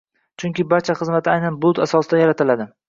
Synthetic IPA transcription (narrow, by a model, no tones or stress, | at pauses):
t͡ʃʰʊŋkʲɪbaɾt͡ʃʰaχɨzmat̪ɪajnanbʊt̪asɒsɪd̪ajaɾat̪ʰɪlad̪ɪ